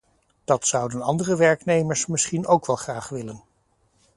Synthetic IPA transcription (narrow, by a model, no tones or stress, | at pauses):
d̥ɑtsʌwdənɑndərəʋɛɹknejməɹsmɪsχinowkʋɛlˠχraːχʋɪlən